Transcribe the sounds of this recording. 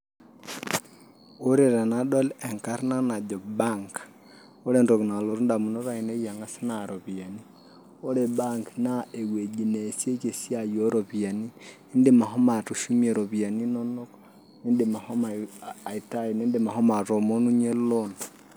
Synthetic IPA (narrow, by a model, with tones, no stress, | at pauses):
o˦ɾɛ˨ɾa˨na˦ɗɔ˦lɛ˨ŋka˦ɾna˦na˨d͡ʒɔ˨ba˦ŋk | ɔ˦lɛ˦ndɔku˨na˨lo˨ɾu˦nda˨mu˨nɔ˦ɾa˨i˨ne˦ija˨ŋɡa˦si˦na˨ɾɔ˨βia˨ni | ɔ˦lɛ˨ba˦ŋkna˦e˨we˨d͡ʒi˨nesje˦ke˨si˦a˦jɔ˦ɾɔβia˨ni˦i˦ndema˨ɦɔ˦ma˨tu˨ʃu˦miɛ˨ɾɔ˨βi˨a˨ni˦nɔ˦nɔ˦k | i˦ndema˨hɔ˦ma˨i˨ta˦i˨nɛ˦ndema˨ɦɔ˦ma˨ɾo˨mo˦nu˦ɲɛ˦lon